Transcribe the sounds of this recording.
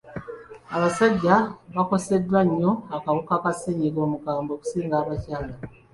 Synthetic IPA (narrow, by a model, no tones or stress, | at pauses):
aβasaɟːaβako̞se̞dːwaɲːo̞akaβukakaseɲiko̞ːmukaːmbo̞ːku̥siːŋɡaːβacaːla